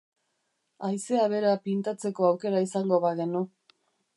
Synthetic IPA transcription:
ajse̞aβe̞ɾapint̪at͡se̞ko̞awke̞ɾaisaŋɡo̞βaɣe̞nu

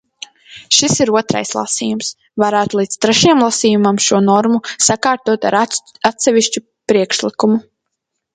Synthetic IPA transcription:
ʃisiɾuɔt̪ɾa̰jslˠa̰siːjums | vaɾaːt̪ulˠiːt̪st̪ɾɛʃjɛmlˠasiːjumamʃuɔnɔɾmusakaːɾt̪uɔt̪aɾat̪sɛviʃt͡ʃu | pɾiɛkʃlˠikumu

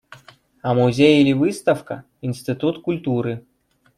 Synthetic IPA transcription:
ɐmuzʲejilʲivɨst̪ɐfkɐ̰ | insʲt̪ʲɨt̪ut̪kulʲt̪uɾɨ

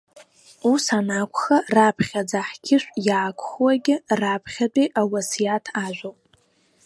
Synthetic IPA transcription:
usanakʷʰχarapʰχʲad͡zaħkʲʰɪʃʷᶣjaːkʷʰχwaɡʲɪrapʰχʲadʼiʔawasjatʰaʒᶣʷowpʼ

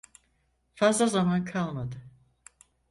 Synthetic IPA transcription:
fazlˠazamankʰalˠmad̪ɯ

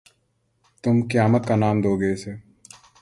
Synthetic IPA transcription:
t̪ʊmkjaːmət̪̚kanaːmd̪oːɡeeːseː

